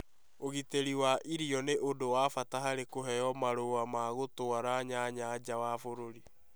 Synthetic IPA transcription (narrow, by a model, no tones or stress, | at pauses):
oɣiteɾiwaʔiɾjɔneʔodowaːfataɦaɾekoɦɛjɔmaɾowamaɣotoaɾaɲaɲad͡ʑawafoɾoɾi